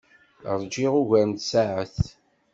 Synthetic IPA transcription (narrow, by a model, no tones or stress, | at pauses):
ɾˤd͡ʒiʁuʝæɾnt̪saʕəθ